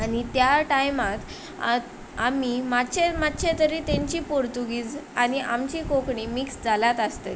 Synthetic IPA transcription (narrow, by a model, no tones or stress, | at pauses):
añit̪jaʈajmat̪ | amimatːt͡ɕemat̪ːt͡ɕʰet̪əɾit̪eɲt͡ɕiːpoɾt̪uɡiːd͡zaniʔamt͡ɕiːkokɳimiksd͡zʱalat̪əst̪ḛ